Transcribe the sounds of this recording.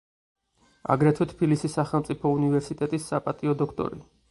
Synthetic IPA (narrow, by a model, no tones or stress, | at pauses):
a̰ɡɾɛt̪ʰwɛt̪ʰpʰilisisːaχɛlˠmt̪sʼipʰɔunivɛɾsit̪ʼɛt̪ʼisːapʼat̪ʼiɔd̪ɔkʰt̪ʼɔ̰ɾḭ